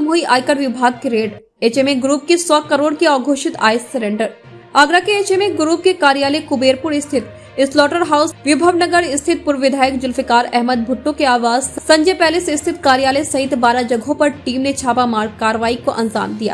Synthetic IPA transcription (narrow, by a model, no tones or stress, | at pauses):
mɦuiʔaːjkəɽʋɪbʱaːɡ̚keɾeːɖ | eːt͡ʃemẽɡɾuːp̚kesɔːkɐɾoːɽkiaːɡʱoːʃɪt̪a̰ːjsːɐɾẽːɳɖəɾ | aːɡɾakeeːt͡ʃemẽɡɾuːp̚kekaːɾijaːlekʊbeːɾpʊɾɪst̪ʰɪt̪ | ɪslɔːʈəɾɦaːʊsʋɪbʱəʋnɐɡəɾɪst̪ʰɪt̪̚pʊɾʋɪd̪ʱaːjəkd͡ʒʊlfɪkaːɾɛɦməd̪̚bʱʊʈːõkeaːʋaːzsɐ̃ɲd͡ʒepɛːlɪsɪst̪ʰɪt̪kaːɾijaːlesɐɦɪt̪baːɾad͡ʒɐɡʱõpɐɾʈiːmnet͡ʃʰaːpamaːɾkaːɾəʋaːikoʔɐ̃nza̰ːmd̪ija̰ː